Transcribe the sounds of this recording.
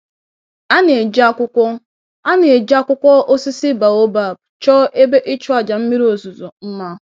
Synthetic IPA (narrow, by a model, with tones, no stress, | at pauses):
a˦ne˨d͡ʒa˦kʷʊ˦kʷɔ˦ | a˦ne˨e˨d͡ʒa˦kʷʊ˦kʷɔ˦ʔo˦si˦si˦ba˨o˦ba˨bt͡ʃɔ˦ʔe˦be˦ʔi˦t͡ʃʊ˦a˨d͡ʒa˨m̩˦mi˦ɾo˨zu˨zo˨m̩˦ma˦